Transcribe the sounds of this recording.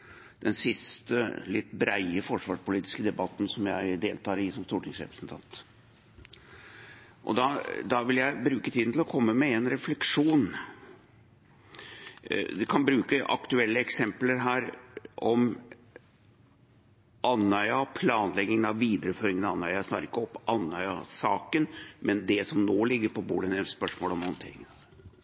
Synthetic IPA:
d̪ɛnsɪst̪əlɪt̪ːbɾæɪəfɔʂʋɑːʂpʊliːt̪ɪ̥skəd̪ɛbɑt̪ːnsɔmjæɪd̪eːlt̪ʰɑːɾɪsɔmst̪uːʈʰɪŋsɾɛ̰pɾəsnt̪ʰɑ̰nt̪ | ʔɔ̰d̪ɑd̪ɑʋɪljæɪbɾʉːkət̪ʰiːd̪n̩t̪ʰɪlɔkʰɔmːəmɛɛnɾɛflɛkʂuːn | d̪ɛkʰɑnbɾʉːkəʔɑ̰kt̪ʉɛlːəɛksɛmpləɾɦæːɾʔɔm | ʔɑnːœʏɑpʰlɑːnlɛɡɪŋənɑʋʋiːd̪əɾəføːɾɪŋənɑnːœʏɑsnɑːɾɪkːəɔpːʔɑnːœʏɑsɑːkənmɛnd̪ɛsɔmnoːlɪɡːəɾpɔbṵːlɪnɛspœʂmoːlɔmhɔnt̪ʰḛːɾɪŋənɑ

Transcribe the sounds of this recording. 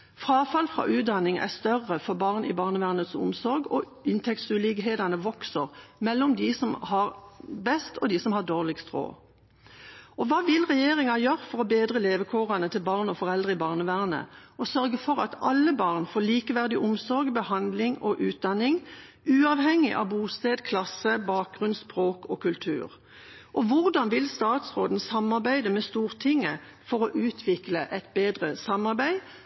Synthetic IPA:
fʁɑːfɑlfʁɑ̰ːʔʉːt̪̚d̪ɑnɪŋæ̰ʁst̪œʁːəfɔbɑːʁnɪ̰bɑːʁnəʋæːʁnət̪sʊ̰msɔɾɡɔ | ɪnt̪ʰɛkt̪sʉlɪɡɦeːd̪ɑnəʋɔksəʁmɛlːɔmd̪ɪsɔmhɑʁbɛst̪ɔd̪ɪsɔmhɑʁd̪oːʁlɪɡst̪ʁo̰ː | ʔɔʋɑːʋɪlʁɛjeːʁɪŋɑjøːʁəfɔʁɔbeːd̪ʁəleːʋəkʰuːʁɑnət̪ʰɪlbɑːʁnɔfɔʁɛld̪ʁəɪbɑːʁnəʋæːʁnə̰ɔsœʁɡəfɔʁɑt̪ɑlːəbɑːʁnfoːliːkəʋæʁd̪ɪʔʊmsɔʁɡbəhɑnd̪lɪŋɔʔʉːt̪̚d̪ɑnɪŋ | ʉːɑːʋhɛŋːɪʔɑ̰ʋbuːst̪eːd̪kʰlɑsəbɑːk̚ɡʁʉnspʁoːkɔkʉlt̪ʰʉ̰ːʁ | ʔɔʋʊʁd̪ɑnʋɪlst̪ɑːt̪sʁoːd̪n̩sɑmɑʁbæɪd̪əmɛst̪uːʁt̪ʰɪŋːə | fɔʁɔʔʉːt̪ʰʋɪkləʔɛt̪̚beːd̪ʁəsɑmɑʁbæɪ

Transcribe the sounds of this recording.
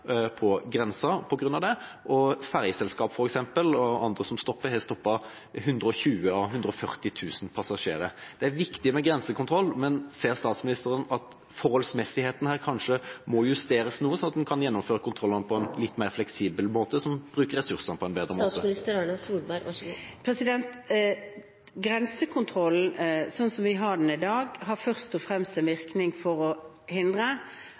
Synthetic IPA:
pʰɔɡɾɛnsɑpʰɔɡɾʉnːɑʋd̪ɛ | ʔɔfæʁjəsɛlskɑːpfɔɾɛksɛmpəlɔɑnd̪ɾəsɔmst̪ɔpːəɾhɛst̪ɔpːɑ | ɦʉnd̪ɾəɔçʉːəɑɦʉnd̪ɾəɔfœʁt̪ɪt̪ʰʉːsən̩pʰɑsɑʂḛːɾəd̪̥ɛæɾʋɪkt̪ɪmɛɡɾɛnsəkʰʊnt̪ɾɔlːmɛnseːʁst̪ɑːt̪smɪnɪst̪əɾənɑt̪ | fɔɾhɔlsmɛsɪheːt̪ən̩hæːʁkʰɑnʂəmɔjʉst̪eːɾəsnuːəsɔnɑt̪d̪ɛnkʰɑnjɛnːɔmføːɾəkʰʊnt̪ʰɾʁɔlːənəpʰɔɛnlɪt̪ːmeːɾʁflɛksiːbəlmoːt̪əsɔmb̥ɾʉːkəɾːɛsʉɾsənəpʰɔɛnbeːd̪ʁəmot̪əɪst̪əɾɑnɑsuːlbɑpʰɾɛsɪd̪ɛnt̪ | ɡɾɛnsəkʰʊnt̪ʰɾɔlːn̩sɔnsɔmʋɪɦɑɖn̩ɪd̪ɑːɡɦɑfœʁst̪ɔfɾɛmst̪ɛnʋɪɾknɪŋfɔɾɔ | hɪnd̪ʁə

